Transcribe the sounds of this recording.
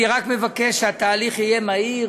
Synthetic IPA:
ʁakmevakeʃeat̪aːliχije̞mai

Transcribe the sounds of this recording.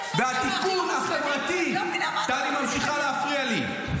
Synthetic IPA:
behat̪ikunaχevʁat̪it̪animamʃiχaleafʁiali

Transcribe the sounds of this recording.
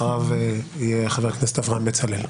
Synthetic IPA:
ʁavijeaχaveʁkneset̪avʁanmet͡salel

